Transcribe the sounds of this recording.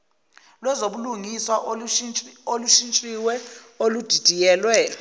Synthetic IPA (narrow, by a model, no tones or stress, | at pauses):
lwɛzoɓuluŋiswa | oluʃint͡ʃʼiwɛ | olud̥ʱid̥ʱijɛːlwɛ